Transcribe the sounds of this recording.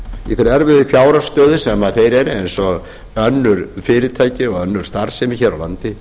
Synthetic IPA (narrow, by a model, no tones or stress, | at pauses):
iθɛɾɛɾvɪðfjaːwɾḁst̪œːðʏsɛmaðθejɾɛɾejnsɔɣ | œnːʏɾ̥fɪːɾɪt̪ʰaːjcɪɔɣœnːʏɾ̥st̪aɾ̥sɛmɪçɛːɾawla̰nt̪ɪ